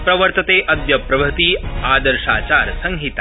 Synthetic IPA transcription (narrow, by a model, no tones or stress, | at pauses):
pɾɐʋəɾt̪ɐt̪eːʔɐd̪ʋjɐpɾɐbʱɐt̪iaːd̪ɐɾʂaːt͡ʃaːɾsɐŋɦit̪a